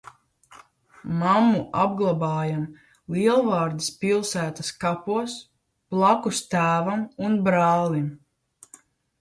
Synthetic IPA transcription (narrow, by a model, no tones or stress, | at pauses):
mamːuʔab̚ɡlˠabaːjam | liɛlˠvaːɾd̪ispilˠsæːt̪askapuɔs | plˠakust̪æːvamunbɾɑːlˠim